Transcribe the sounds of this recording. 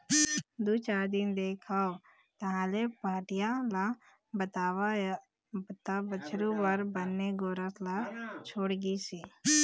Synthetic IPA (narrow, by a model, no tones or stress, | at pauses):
d̪uːt͡ʃaːɾd̪ind̪eːkʰao | t̪ɐɦãlepaːɾʈijala | bət̪aːwa | bt̪abət͡ʃʰɾubəɾbənːeɡoːɾəslat͡ʃʰoːɽɡisiː